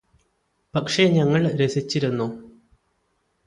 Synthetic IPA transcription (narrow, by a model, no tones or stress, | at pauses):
pɐkʂeɲɐŋːɐɭɾesit͡ɕːiɾunːu